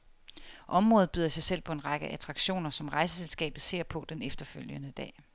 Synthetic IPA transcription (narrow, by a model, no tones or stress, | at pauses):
ʔɒ̽mʁɔːð̩ˠb̥yːðˠɐsɑ̈ɪsel̰pʰɒ̽e̝nʁɑ̈ɡ̥əʔæt͡sʰʁɑ̈ɡ̥ɕo̝̰ːnɐsɒ̽mʁɑ̈ɪsəselsɡ̥ɛ̰ːb̥ð̩ˠse̝ɐ̰pʰɒ̽d̥enefd̥ɐføl̰jənəd̥ɛ̰ː